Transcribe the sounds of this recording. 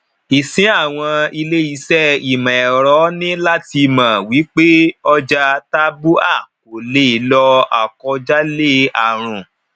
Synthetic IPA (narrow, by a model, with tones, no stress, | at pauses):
i˨sĩ˨˦a˦˨w̃ɔ̃˧i˧le˦i˦˧˦sɛ˦i˨mã˨ɛ˨ɾɔ˨˦nĩ˦la˦ti˧˨mã˨wi˨˦k͡pe˦ɔ˦d͡ʒa˧ta˦bu˦a˦˨ | o˨le˦i˨˦lɔ˧a̰˨kɔ˧d͡ʒa˦le˦a˨ɾ̃ũ˨